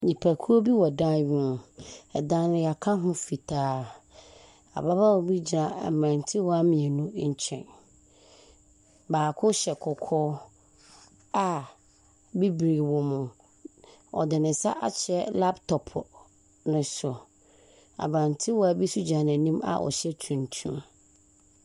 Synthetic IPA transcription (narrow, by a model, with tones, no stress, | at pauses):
ɲĩ˨pʰæ˨kʰu˦ɾo˦bi˦wɔ˨dã˦n˦ʊ̃˨ɛ˨dã˦nɪ̃˦ja˨kʰa˦ɦʊ̃˦fi˨tʰaː˦ | a̰˨ba˦ba˦wɔ˨bi˦d͡ʑi˨nã˨a̰˨bɾã˨ntʰɪ˦wɔ˦a˦mĩ˨ɛ˨nũ˦ɲ̩˨t͡ɕʰɛ̰̃˨n | baː˨kʰʊ˦ɕɛ˨kʰɔ˨kʰɔː˦ | a˨ | bi˦bɾi˨wɔ̃˨mʊ̃˨ | ɔ̰˨dɪ˨nɪ̃˨sa̰˦ʔa̰˨t͡ɕʰɛ˦la˦ptʰɔ˨pʰ | nʊ̃˨sʊ˨ | a̰˨bɾã˨ntʰɪ˦wɔ˦a˨bi˦su˦d͡ʑã˨nã˨nĩ˦ma̰˨ʔɔ̰˨ɕɛ˦tʰũ˨n˨tʰṵ̃˦